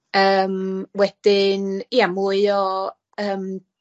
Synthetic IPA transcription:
əːmwɛd̥ɪniamuɨɔ | əːm

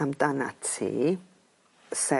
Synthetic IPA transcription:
amdana̰tʰḭ | sɛ

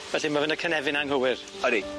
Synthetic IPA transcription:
vɛɬimavənakʰənɛvɪnaŋɦəwɪr | ɔɾi

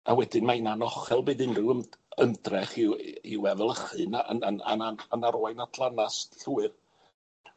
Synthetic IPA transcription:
awɛdɨnmaənanɔχɛlˠbɨːdɪnrɨwəəndrɛχɪwiwɛðɛlˠəχɨnaʔənəna̰naənaɾoajnatʰlˠanasɬuwɨr

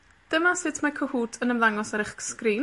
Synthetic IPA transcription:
d̥əmasɨtʰmakʰɔhuːtʰənəmlaŋɔsaɾɪχskriːn

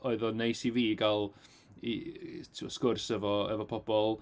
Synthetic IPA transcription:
oɨðɔnejsiviːɡalˠ | itʰɔskʊrsɛvɔɛvɔpʰɔbɔlˠ

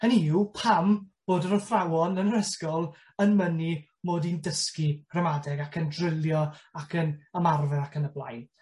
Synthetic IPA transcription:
əniupʰamb̥oːdəɾɔfrawɔnənəɾəskɔlˠ | ənməni | moːdindəski̥rɛmadɛɡakʰəndrɪlˠjɔakʰənəmarvɛakənəblˠa̰jn

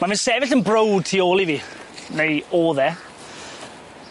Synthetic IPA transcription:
mavɪnsɛvɪɬənbrowd̥̚tʰioːlˠiviːnejoːðɛ

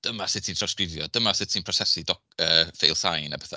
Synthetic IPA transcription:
d̥əmasɪtʰintrɔskrɪvjɔd̥əmasɪtʰinpʰrɔsɛsidɔkəːfejlˠsajnabɛθa

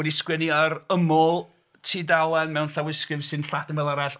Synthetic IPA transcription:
ɛdiskwɛniəɾəmɔlˠ | tʰiːdalˠɛnmɛwnɬawɪskɨvsɨnɬadəmvɛlˠaɾajɬ

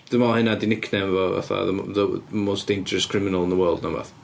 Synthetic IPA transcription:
d̥ɪmɔlˠhɪnadɪnɪkʰnɛmvɔva̰θa̰ðə̰ðəmosd̥ejnd͡ʒəɹəskʰɪmɪnəlˠɪnðəwɜːlˠdnava̰θ

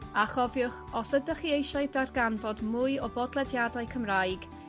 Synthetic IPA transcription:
aχɔvjʊχɔsədəχiejʃaɨdarɡanvɔdmʊːɨɔbɔdlˠɛdjadaɨkʰəmrajɡ̥

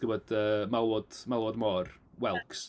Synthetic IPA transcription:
ɡ̥əbɔd̥əːmalˠɔd̥malˠɔdmɔrwɛlˠks

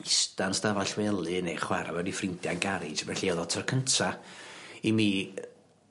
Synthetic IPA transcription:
ɪstansdavaɬwɛlˠɨnejχwaɾa̰wɛdifrɪntjaɡaɾɨdvɛɬiɛðɔtʰərkʰəntʰa | imiː

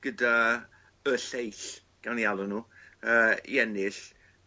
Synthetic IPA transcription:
ɡ̥əda | əɬejɬ | ɡ̥awnjalˠɔnuːəːḭɛnɪɬ

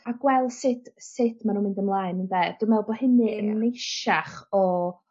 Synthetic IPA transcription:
aɡwɛlˠsɪtʰsɪtʰmanunmɪndəmlˠaːɨnəndɛd̥ɪmɛlˠbɔhɪnɨənnejʃaχɔ

